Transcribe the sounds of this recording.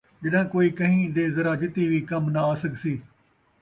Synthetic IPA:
d͡ʒəɗãːkoːiːkəɦĩːd̪eːzəɾaːd͡ʒɪt̪iːʋiːkəmnaːsəɡsiː

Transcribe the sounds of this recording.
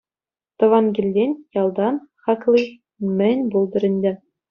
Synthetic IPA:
t̪ɤ̆ʋɑnɡʲilʲdʲenʲjɑlˠd̪ɑnχɑklʲˠi | mʲɘ̆nʲbulˠd̪ɤ̆ɾʲɘ̆nʲdʲɘ̆

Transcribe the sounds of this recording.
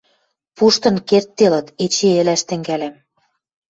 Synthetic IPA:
puʃt̪ɤ̆nkert̪ːelɤ̆t̪et͡ɕeĕlæʃt̪ɘ̆ŋɡælem

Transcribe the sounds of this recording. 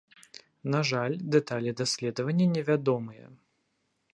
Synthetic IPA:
naʐalʲd̪ɛt̪alʲid̪asʲlʲɛd̪ɐvɐnʲːɐnʲɛvʲad̪ɔmɨjɛ̰

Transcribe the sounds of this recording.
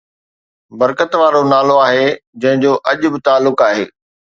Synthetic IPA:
bɐɾkət̪ʋaːɾonaːloaːɦed͡ʑɐ̃ɦɪ̃d͡ʑoːʔɐʄʊbɪt̪aːlːʊkaːɦḛː

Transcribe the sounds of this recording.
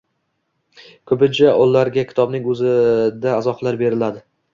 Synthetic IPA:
kʰɵbɪnt͡ʃʰaʔɒlːaɾɡʲakʲʰɪ̥t̪ʰɒbnɪŋɵzɪd̪aːzɒqlˠaɾbe̞ɾɪlad̪ɪ

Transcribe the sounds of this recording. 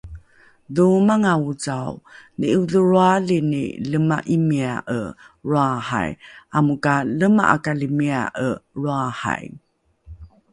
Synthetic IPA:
ðumaŋaut͡sawniʔuðəɾualinḭləmaʔimiaʔə̰ɾuaha̰jʔamukaləma̰ʔa̰kalimia̰ʔəɻuaha̰j

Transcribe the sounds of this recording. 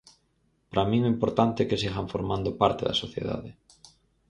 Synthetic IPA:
pɾamĩŋɛimpoɾt̪ant̪ekesiɣaɱfoɾmand̪opaɾt̪eðɐ̰soθjḛða̰ðe

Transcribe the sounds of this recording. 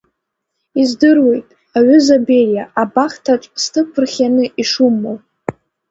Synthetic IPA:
izdɨrwe̞jtʼ | aɥʷʏzabe̞rjaʔabaχtʰaʈ͡ʂʷʼstʰɨkʷʰɨrχʲanɨiʂumːowʼ

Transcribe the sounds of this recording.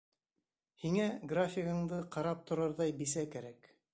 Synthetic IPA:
hiŋæɡrafʲɪɣɤ̆ɴd̪ɤqɑɾɑp̚t̪ŏɾɑɾðɑjbisækæɾæk

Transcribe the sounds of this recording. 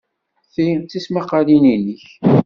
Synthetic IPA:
θijnt̪ismɑqːɑlininəç

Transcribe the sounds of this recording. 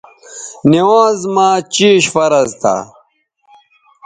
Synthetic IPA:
niwoːzmaːt͡ɕiːɕfɐɾɐzt̪a̰ː

